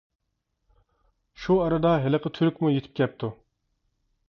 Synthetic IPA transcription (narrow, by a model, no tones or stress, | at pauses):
ʃuɑɾɨd̪ɑɦeləqʰət̪ʰyɾykʲmujet̪ʰɪ̥p̚kʲɛp̚t̪ʰu